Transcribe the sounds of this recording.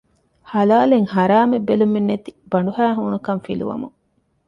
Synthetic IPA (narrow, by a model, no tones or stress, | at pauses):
halaːleŋhaɾaːmebːelumenːet̪ibɐɳɖuɦæːɦunukɐmfilṵʋɐ̰mṵŋ